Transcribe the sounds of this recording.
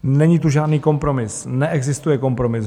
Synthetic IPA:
nɛɲiːt̪uʒaːdniːko̞mpɾo̞mɪsnɛʔɛɡzɪst̪ujɛko̞mpɾo̞mɪs

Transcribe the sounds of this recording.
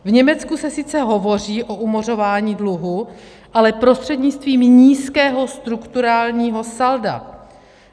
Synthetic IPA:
vɲɛmɛt͡skusɛsɪt͡sɛɦo̞vo̞r̝iːʔo̞ʔumor̝o̞vaːɲiːdluɦu | ʔalɛpɾo̞st̪r̝̥ɛdɲɪt͡st̪viːmɲiːskɛːɦo̞st̪ɾukt̪uɾaːlɲiːɦo̞salda̰

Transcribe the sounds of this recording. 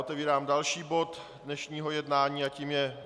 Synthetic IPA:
ot̪ɛviːɾaːmdalʃiːbo̞t̪ | dnɛʃɲiːɦo̞jɛdnaːɲiːaciːmjɛ

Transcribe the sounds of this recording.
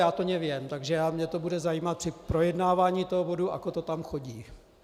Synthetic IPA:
jaːt̪oɲɛvjɛmt̪aɡʒɛjaːmɲɛt̪obudɛzajiːmat̪̚psɪpɾo̞jɛdnaːvaːɲiːt̪oɦobo̞duʔa̰kot̪o̞t̪amxo̞ɟiː

